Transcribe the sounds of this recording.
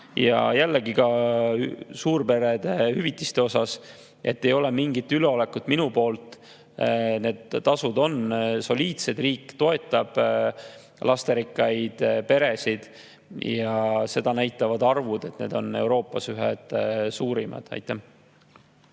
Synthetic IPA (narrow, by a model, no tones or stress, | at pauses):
jɑ̰jælːeɡikɑ | suːɾpe̞ɾed̪̥ehyvit̪ːˑist̪e̞o̞sɑs | ʔe̞t̪ːe̞jo̞le̞miŋɡit̪ːyleo̞le̞kud̪̥minupo̞ːlt̪ˑ | ne̞ːd̪̥ːɑsud̪o̞nso̞lʲiːt̪se̞d̪riːkːˑt̪o̞e̞t̪ːˑɑb̥ | lʔɑst̪e̞ɾikːˑɑjd̪̥pe̞ɾe̞sid̪̥ | jɑse̞d̪̥ɑnæjt̪ːˑɑvɑd̪ɑrvud̪̥e̞t̪ne̞̰ːd̪̥o̞ne̞̰wɾo̞ːpːˑɑsyɦḛd̪̥suːɾimɑ̰d̪̥ɑ̰jt̪ːˑæ